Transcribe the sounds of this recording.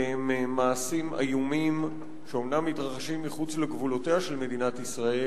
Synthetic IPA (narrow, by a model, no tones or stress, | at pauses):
emmaːsima̰jumim | ʃeo̞mnamːitʁaχaʃimːiχut͡sleɡvulo̞teaʃe̞lme̞dinatisʁae